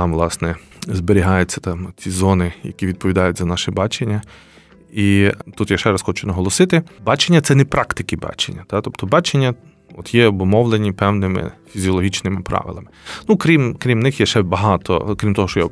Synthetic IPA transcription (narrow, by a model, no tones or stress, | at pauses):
ɑmʋlˠɑsnɛzbeɾʲiɦɑjʊt͡sʲːɐt̪ɑmt͡sʲizɔnɪjɐ̰kʲiʋʲid̪̚pɔʋʲid̪ɑjʊtʲzɐnɑʃɪbɑt͡ʃenʲːɐ | it̪ut̪jaʃɛɾɐsxɔt͡ʃʊnɐɦɔlˠɔsɪt̪ɪbɑt͡ʃenʲːɐt̪sɛnɛpɾɑkt̪ɪkɪbɑ̰t͡ʃḛnʲːɐt̪ɑt̪ɔpt̪ɔbɑt͡ʃenʲːɐ | ɔt̪jɛɔbʊmɔʋlˠenʲipɛwnɪmɪ̰fʲizʲiɔlˠɔɦʲit͡ʃnɪmɪpɾʔɑ̰ʋɪ̰lˠɐmɪnukɾʲimkɾʲimnɪxjɛʃɛbɐɦɑt̪ʰɔ̰kɾʲimt̪ɔɦɔʃt͡ʃɔja